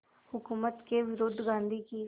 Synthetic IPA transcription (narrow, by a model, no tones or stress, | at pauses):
hʊkuːmət̪keʋɪɾoːd̪ʱɡãːnd̪ʱiki